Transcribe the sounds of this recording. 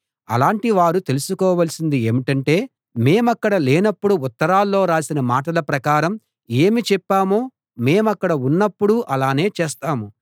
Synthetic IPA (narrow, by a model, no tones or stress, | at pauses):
ɐ̰laːɳʈiʋaːɾut̪e̞lusukɔːʋɐlsind̪ieːmiʈɐɳʈe̞ː | me̞ːmɐkːɐɽɐleːnɐpːuɽuut̪ːɐɾaːlːo̞ːɾaːsinɐmaːʈɐlɐpɾɐkaːɾɐm | e̞ːmit͡ʃɛpːaːmoː | me̞ːmɐkːɐɽɐunːɐpːuɽuʔɐlaːne̞ːt͡ʃeːst̪aːmu